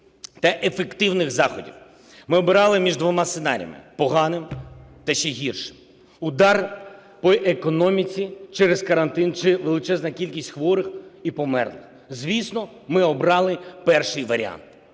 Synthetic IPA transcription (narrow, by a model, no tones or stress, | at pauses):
t̪ɛʔefekt̪ɪwnɪɣzɑxɔdʲḭw | mɪɔbɪɾɑlˠɪmʲiʒd̪ʋɔmɑsenɑ̰ɾ̰ʲjɐ̰mɪ̰pɔɦɑnɪmt̪ɐʃt͡ʃɛɦʲirʃɪm | ʊd̪ɑr | pɔʔekɔnɔmʲit͡sʲit͡ʃɛɾezkɐɾɐnt̪ɪnt͡ʃɪʋelˠɪt͡ʃɛznɐkʲilʲkʲisʲtʲxʋɔɾɪxipɔmɛ̰rlˠɪx | zʲʋʲisnɔ | mɪɔbɾɑlˠɪpɛrʃɪjʋɐɾ̰ʲa̰nt̪